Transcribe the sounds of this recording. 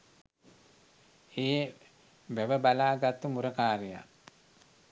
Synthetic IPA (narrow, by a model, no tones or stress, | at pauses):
eː | ʋæʋəbalaːɡat̪ːumuɾəkaːɾija̰